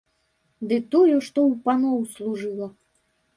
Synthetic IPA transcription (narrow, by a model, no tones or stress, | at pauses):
d̪ɨt̪ɔjuʂt̪ɔwpanɔwslˠuʐɨlˠɐ